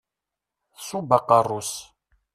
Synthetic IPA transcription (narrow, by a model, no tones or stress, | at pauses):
θsubaqərˤːus